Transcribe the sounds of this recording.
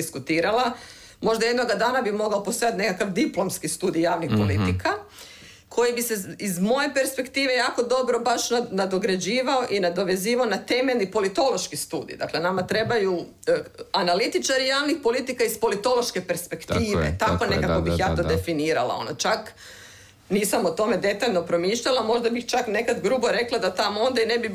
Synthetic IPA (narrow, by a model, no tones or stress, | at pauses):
iskut̪iːɾalˠa | mo̞ʒd̪ajed̪no̞ɡad̪aːnabixmo̞ɡaopost̪o̞jat̪ne̞kakaʋd̪iplˠo̞mskist̪uːd̪ijjaːʋnixpo̞lit̪ika | kʰo̞jibiseizmo̞je̞pe̞ɾspe̞kt̪iːʋe̞jaːko̞d̪o̞bɾobaʃnanad̪o̞ɡɾed͡ʑiːʋaoʔinad̪o̞ʋe̞ziːʋaonat̪e̞meʎʲnipo̞lit̪o̞lo̞ʃkist̪uːd̪ḭd̪a̰klenamat̪ɾe̞baju | analit̪it͡ʃaɾijaːʋnixpo̞lit̪ikaispo̞lit̪o̞loʃke̞pe̞ɾspe̞kt̪iːʋḛt̪ako̞nekako̞bixjaːt̪o̞d̪e̞finiːɾalˠa̰o̞̰no̰t͡ʃak | niːsamot̪o̞me̞d̪e̞t̪aʎno̞pɾo̞miːʃʎalamo̞ʒd̪abixt͡ʃakne̞kad̪ɡɾuːboɾe̞klˠad̪at̪amoond̪aine̞bi